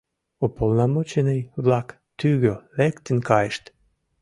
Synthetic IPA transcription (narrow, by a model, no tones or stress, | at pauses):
opolnɑmot͡ɕenejβlɑk | t̪yɣølekt̪ə̆nkɑjəʃt̪